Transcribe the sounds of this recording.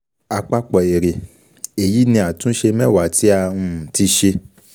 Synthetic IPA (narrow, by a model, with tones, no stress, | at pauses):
a˧k͡pa˦k͡pɔ˨e˨ɾe˨ | e˨ji˨˦nĩ˧a˨tũ˦ʃe˧mɛ̃˦˨wa˨˦˨tʰi˦a˧ũ˧˨ti˧˦ʃe˧